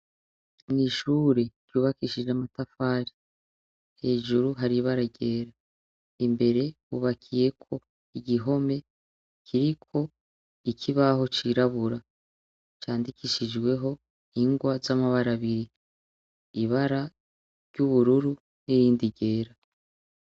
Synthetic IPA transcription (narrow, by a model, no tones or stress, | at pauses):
niʃuːɾe̞d͡ʒ̥juːβakiʃiʒeamatafaːɾi | he̞ːʒuɾuɦaɾiβaɾaɟe̞ːɾa | imbe̞ɾe̞βuːβakʰije̞kʰo̞ | iɟiɦo̞me̞ | kʰiɾikʰo̞ | ikʰiβaɦo̞t͡ʃiɾaβuɾa | t͡ʃaːndikiʃid͡ʒɡwe̞ɦo̞ | iŋɡwazamaβaɾaβiɾi | iβaɾa | ɾɟuβuɾuɾu | nijiːndiɟe̞ːɾa